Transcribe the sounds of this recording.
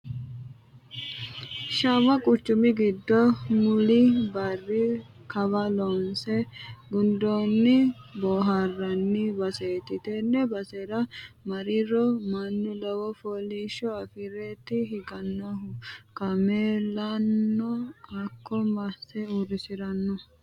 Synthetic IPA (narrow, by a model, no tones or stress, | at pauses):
ʃɐwɐkʼʊt͡ʃːʊmɪɡɪd̪ːɔmʊlɪbɐrːɪ | kɐbɐlɔnsɛɡʊnd̪onːɪboːɦɐrːɐnːɪbɐseːt̪ɪt̪ɛnːɛbɐseɾɐmɐɾɪɾɔmɐnːʊlɐwɔfoliʃɔɐfɪɾɛt̪ɪɦɪɡɐnːɔɦʊkɐmeːlɐnːɔɐkːɔmɐsɛurɪsɪɾɐnːɔ